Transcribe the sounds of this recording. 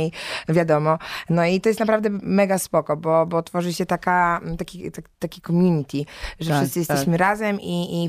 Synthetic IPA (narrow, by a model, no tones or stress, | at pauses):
ejvʲjad̪ɔmɔnɔit̪ɔjɛst̪napɾavd̪ɛmɛɡaspɔkɔbɔbɔt̪fɔʐɨɕɛt̪akat̪akʲit̪at̪ːakʲikɔmʲjuɲit̪ʲiʐɛfɘst̪sɨjɛst̪ɛɕmɘɾazɛmi